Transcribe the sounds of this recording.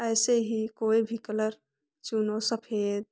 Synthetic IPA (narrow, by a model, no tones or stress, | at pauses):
əjseɦikoibʱikələɾ | t͡ʃunosəpʰeɾ